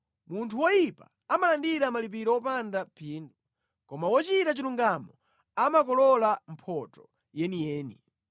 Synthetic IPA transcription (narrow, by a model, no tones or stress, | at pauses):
muntʰuwɔjipa̰ | amalandiɾamalip̬iɾɔɔpandapʰiːndu | kɔmawɔt͡ʃitat͡ʃiluŋɡamɔ | amak̬ɔlɔlam̩pʰɔtɔ | jɛnijɛːnḭ